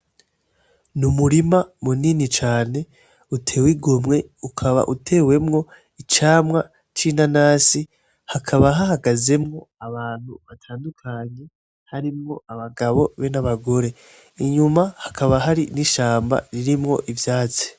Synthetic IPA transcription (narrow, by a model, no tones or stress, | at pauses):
numuɾimamuninit͡ʃaːne̞ | utʰe̞ːwiɡomŋe̞ukʰaβa̰ʔutʰe̞ːwe̞mŋo̞ | it͡ʃaːmŋa | t͡ʃinanaːsi | hakʰaβaɦaɦaɡaze̞mŋo̞aβaːn̥huβatʰaːndukʰaɲe̞ | haɾimŋo̞aβaɡaβo̞βe̞naβaɡo̞ɾe̞ | iɲumahḁkʰaβaɦaɾiniʃaːmba̰ɾiɾimŋo̞̰ʔivjaːt͡se̥